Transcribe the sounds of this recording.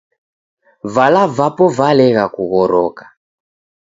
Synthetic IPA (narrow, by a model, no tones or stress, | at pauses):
valavapɔvalɛɣakuɣɔɾɔkḁ